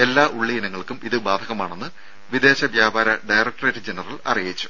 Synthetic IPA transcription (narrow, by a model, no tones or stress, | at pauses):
e̞lːaːʔuɭːijinɐŋːɐɭkumiðɨbaːd̪ʱɐɣɐmaːɳe̞nːɨ | ʋid̪e̞ːɕɐʋjaːbaːɾɐɖɐjrɐk̚ʈreːtːɨd͡ʑenɐrɐɭɐ̰rijit͡ɕːu̥